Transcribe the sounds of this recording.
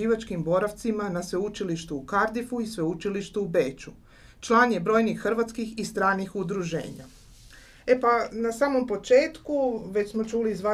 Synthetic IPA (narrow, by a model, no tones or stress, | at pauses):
iːʋat͡ʃkimbo̞ɾaʋt̪simanasʋeut͡ʃiliʃt̪uːkaɾd̪ifuisʋeut͡ʃiliʃt̪uːbe̞ːt͡ʃu | t͡ʃlˠaːnjebɾo̞jnixːr̩ʋat̪skixist̪ɾaːnixud̪ɾuʒe̞̰ːɲa̰ | epanasaːmo̞mpo̞t͡ʃeːt̪kuʋe̞t͡ɕsmo̞t͡ʃuːliːzʋa